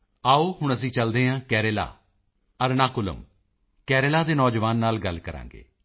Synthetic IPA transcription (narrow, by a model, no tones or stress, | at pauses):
aːoːhʊɳ̃əsĩːt͡ʃəld̪eːɦãːkɛːɾeːla̰ː | əɾnaːkʊlə̰m | kɛːɾelaːd̪eːnɔːd͡ʒʋaːnːaːlɡəlkəɾã̰ːŋɡḛː